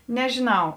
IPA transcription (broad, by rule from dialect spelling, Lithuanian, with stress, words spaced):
nʲɛʒʲɪˈnɐʊ